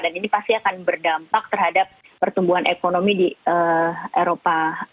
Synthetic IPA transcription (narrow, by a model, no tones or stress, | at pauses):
daninipast̪iakanbərdampak̚t̪ərɦadap̚ːərt̪umbuɦanʔekonomidiʔəʔeɾopa